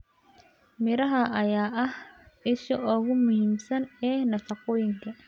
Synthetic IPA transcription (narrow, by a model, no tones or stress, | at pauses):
mɪɾɐɦɐʔɐjaːʔɐhɪʃɔʔɔːɣʊmʊhiːmsɐnɛːnɐfɐqɔːjɪŋkʰɐ